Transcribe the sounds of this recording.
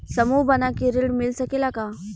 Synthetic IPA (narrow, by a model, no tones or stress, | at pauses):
səmubənakiɾiɽmilsəkelaka